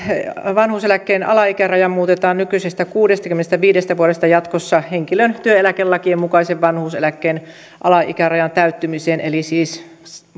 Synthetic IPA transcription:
ʋɑnhuːselækːeːnʔɑ̰lɑikærɑjɑmmuːt̪et̪ɑːnnykysest̪ækuːdest̪ɑkymːenest̪æʋiːdest̪æʋuolest̪ɑjɑt̪kosːɑheŋkilønt̪yøelækelːɑkiemmukɑiseʋʋɑnhuːselækːeːn | ʔɑ̰lɑḭkærɑjɑnt̪æyt̪ːymiseːnʔelisiːs

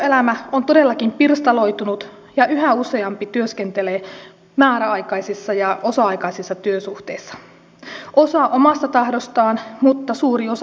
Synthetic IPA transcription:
øelæmæont̪ode̞lːɑkimpirst̪ɑlo̞jt̪unut̪ | jɑʔyɦæuse̞ɑmpit̪yøsk̟ent̪ele | mæːɾæɑjkɑjsisːɑjɑo̞sɑɑjkɑisisːɑt̪yøsuht̪eisːɑ̥ | ʔo̞sɑʔomɑst̪ɑt̪ɑhdost̪ɑːnmut̪ːɑsuːrios

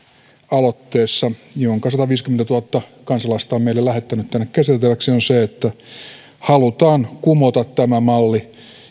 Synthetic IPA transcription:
ɑlot̪ːeːsːɑjoŋkɑsɑt̪ɑʋiːskyment̪æt̪uɑt̪ːɑkɑnsɑlɑst̪ɑːmeilːelæhet̪ːænyt̪t̪ænːekkæsit̪et̪ːeʋæksionseet̪ːæ | hɑlut̪ɑːnkumot̪ɑt̪t̪æmæmɑlːi

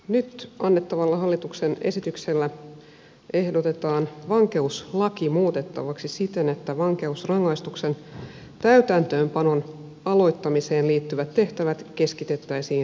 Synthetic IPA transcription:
nyt̪ɑnːet̪ːɑʋɑlːɑɦɑlːit̪ukse̞ne̞̰sit̪ykse̞lːæ | ʔe̞hdo̞t̪e̞t̪ɑːnʋɑŋke̞uslɑkimuːt̪e̞t̪ːɑ̰ʋɑksisit̪e̞ne̞t̪ːæʋɑŋke̞usrɑŋːɑist̪ukse̞n | t̪æyt̪ænt̪ø̞ːmpɑno̞n | ɑlo̞jt̪ːɑmise̞ːnliːt̪ːyʋæt̪tːe̞ht̪æʋæt̪ke̞skit̪e̞t̪ːæisiːn

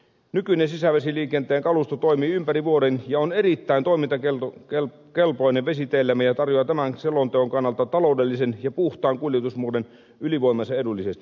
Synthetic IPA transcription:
nykyinensisæʋesiliːkent̪eːŋkɑlust̪ot̪oimiːympæriʋuoɾenjɑonerit̪ːæint̪oimint̪ɑkele | kelpoineʋʋesit̪eilːæmːæjɑt̪ɑrjoɑt̪æmænselont̪eoŋkɑnːɑlt̪ɑt̪ɑloudelːisenjɑpuht̪ˑɑːŋkuljet̪usmuoden | yliʋoˑimɑsɑedulːisest̪i

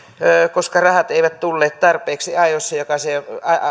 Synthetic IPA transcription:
økoskɑrɑhɑt̪eiʋæt̪t̪ulːeːt̪t̪ɑrpˑeːksiɑijosːɑjokɑseɑ

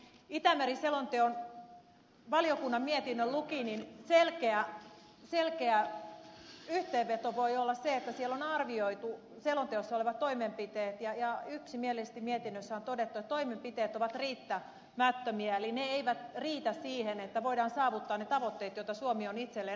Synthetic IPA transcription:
it̪æmeriselont̪eon | ʋɑliokunːɑmmiet̪inːøllukininselkeæ | selkeæ | yht̪eːʋːet̪oʋoiolːɑsseet̪ːæsielːonɑrʋioit̪u | selont̪eosːɑoleʋɑt̪t̪oimempit̪eːt̪jɑjɑyksimielesest̪imiet̪inːøsːæont̪odet̪ːuɑt̪oimempit̪eːt̪oʋɑt̪riːt̪ːæ | mæt̪ːømiæelineeiʋæt̪riːt̪æssiːhenet̪ːæʋoidɑːnsɑːʋut̪ːɑːnnet̪ɑʋot̪ːeːt̪joit̪ɑsuomionit̪selːe

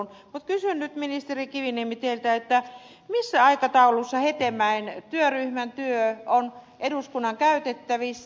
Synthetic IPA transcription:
nmut̪kysynnyt̪minist̪erikiʋinimit̪elt̪æet̪ːæ | misːæɑikɑt̪ɑulusːɑhet̪emæint̪yøryhmænt̪yøonʔeduskunːɑŋkæyt̪et̪ːæʋisː

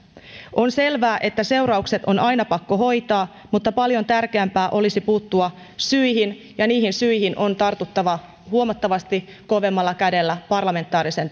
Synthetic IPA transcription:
ʔo̞nse̞lʋæːʔe̞t̪ːæse̞wɾɑukse̞t̪o̞nɑjnɑpɑkːo̞ɦo̞jt̪ɑː | mut̪ːɑpɑljo̞nt̪ærkeæmpæːʔo̞lisipuːt̪ːuɑ | syihin | jɑniːhinsyihinʔo̞nt̪ɑrt̪ut̪ːɑʋɑ | huomɑt̪ːɑʋɑst̪i | ko̞ʋe̞mːɑlːɑkæde̞lːæpɑrlɑme̞nt̪ːˑɑːɾise̞n

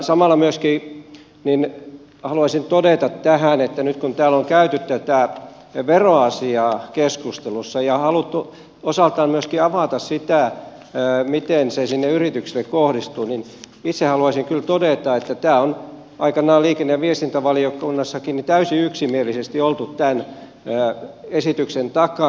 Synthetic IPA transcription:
sɑmɑˑlːˑɑmyøski | nin | hɑluɑsint̪odeˑt̪ɑt̪tæhænet̪ːænyt̪kunt̪æːloŋkæyt̪yt̪t̪æt̪æˑ | ʋeroɑsiɑːkeskust̪elusːɑjɑhɑlut̪ːu | osɑˑlt̪ˑɑːmmyøskiɑʋɑˑt̪ɑssit̪æˑ | mit̪ensesinːeyrit̪yksilːekkohɾist̪uːnin | it̪sehɑluɑsiŋkylt̪odeˑt̪ɑet̪ːæt̪æːon | ɑikɑnɑːliːkenːeʋʋiest̪int̪æʋɑliokunːɑsːɑkinit̪æysiyksimielisest̪iolt̪ut̪t̪ænː | esit̪yksent̪ɑkɑˑ

